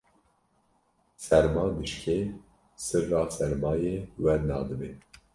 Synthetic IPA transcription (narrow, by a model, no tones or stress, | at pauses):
sɛɾmɑːd̪ɨʃkʰeː | sɨɾːɑːsɛɾmɑːjeːwɛɾnɑ̰ːd̪ɨbe